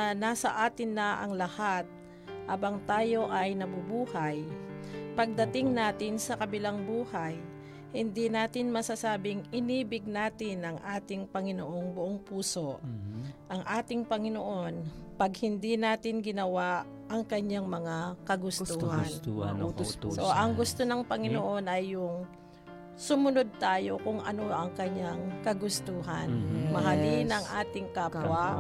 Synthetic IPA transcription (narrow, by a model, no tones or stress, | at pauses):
naːsɐʔaːt̪ɪnːɐʔɐ̰ŋlɐhat̪̚ | ʔaːbɐŋt̪aːjo̞ʔɐjnɐbʊbuːhaj | pɐɡ̚d̪ɐt̪ɪŋnaːt̪ɪnsɐkɐbɪlaŋbuːhaj | hɪnd̪inaːt̪ɪnmɐsasaːbɪŋɪniːbɪɡ̚naːt̪ɪnɐŋʔaːt̪ɪŋpɐŋɪnoʔo̞ŋbʊʔoŋpuːso̞ | ʔɐŋʔaːt̪ɪŋpɐŋɪnoʔo̞npɐɡ̚hɪnd̪inaːt̪ɪnɡɪnɐwaʔ | ʔɐŋkɐɲaŋmɐŋakɐɡʊsuhan | soʔɐŋɡʊst̪onɐŋpɐŋɪnoʔo̞nʔɐjːʊŋ | sʊmʊno̞d̪̚t̪aːjo̞kʊŋʔɐnoʔɐŋkɐɲaŋkɐɡʊst̪uːɦɐnmɐɦɐlinɐŋʔaːt̪ɪŋkaːpwa